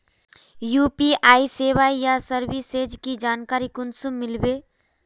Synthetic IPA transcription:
juːpiaːiseːʋajasəɾbiseːd͡ʒkid͡ʒaːnkaːɾikʊnsũmɪlbe

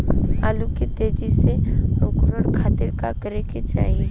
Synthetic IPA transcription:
aːluket̪eːd͡ʒiseokʊɾəɽkʰaːt̪ɪɾkakəɾeket͡ʃa̰ːɦie

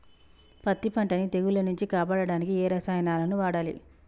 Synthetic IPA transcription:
pɐt̪ːipɐɳʈɐnit̪e̞ɡulɐnuɲt͡ʃikaːpaːɽɐɽaːnikiɛːɾɐsaːjɐnaːlɐnuʋaːɽaːlḭ

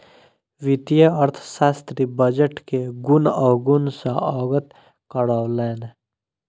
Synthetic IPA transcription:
ʋit̪ijəəɾt̪ʰʃaːst̪ɾibəd͡ʒəʈkeɡʊnɔːɡʊnsaɔːɡət̪ | kəɽaːwleːn

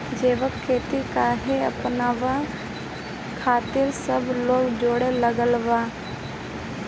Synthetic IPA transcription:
d͡ʒeːʋəkʰːeːt̪ikaːɦeəpnaːʋa | kʰaːt̪ɪɾsəbʱloːkd͡ʒoːɽeləɡəlʋaː

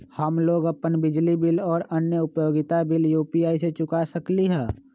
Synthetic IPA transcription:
həmloːɡəpːənbɪd͡ʒlibɪlɔːɾənjəʊpjoːɡɪt̪abɪljuːpiaːiset͡ʃʊkasəkliɦɛ̃ː

